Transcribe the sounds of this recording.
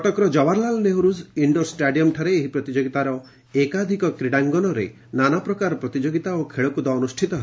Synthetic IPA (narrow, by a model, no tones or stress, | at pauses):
kɔʈɔkɾɔd͡ʒɔbaɾlalɔneɦuɾuziɳɖɔɾsʈaɖijɔmʈʰaɾeːɦipɾɔt̪id͡ʒoɡit̪aɾɔ | ekad̪ʱikɔkɾiɽaŋɡɔnɔɾe | nanapɾɔkaɾɔpɾɔt̪id͡ʒoɡit̪aokʰeɭɔkud̪ɔːnusʈʰit̪ɔɦe